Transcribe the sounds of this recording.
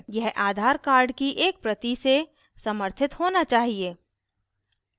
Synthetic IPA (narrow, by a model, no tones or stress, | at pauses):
jɛɦʔaːd̪ʱaːɾkaːɾɖkiʔeːk̚pɾət̪ise | səməɾt̪ʰɪt̪ɦoːnat͡ʃaːɦieː